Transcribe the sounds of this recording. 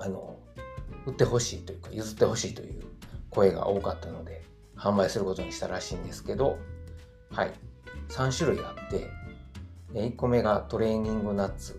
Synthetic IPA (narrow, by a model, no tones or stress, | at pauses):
ano̞̰ | ɯ̟t̪ːe̞ho̞ɕiːt̪o̞jɯ̟kajɯzɨt̪ːe̞ho̞ɕiːt̪o̞̰jɯ̟ːko̞e̞ɡa̰ʔo̞ːkat̪ːano̞d̪e̞ | hãmbaisɨɾɯ̟ko̞t̪oɲ̟iɕi̥t̪aɾaɕiːnd̪e̞sɨ̥ke̞d̪o̞ | ha̰ḭsãɰ̃ɕɨɾɯ̟iɡat̪ːe̞̰ | eikːo̞me̞ɡat̪o̞ɾe̞ːɲ̟ĩŋɡɯ̟nat͡sɨ